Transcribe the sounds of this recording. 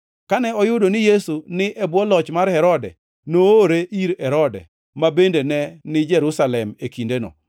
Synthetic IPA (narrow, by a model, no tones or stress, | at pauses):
kanɛɔjʊdonɪjesunɪʔɛbwɔlɔt͡ʃmaɾhɛɾɔdɛ̰ | nooɾeʔiɾɛɾɔdɛ̰ | mabendenɛnɪd͡ʒɛɾusalɛmekindeno̰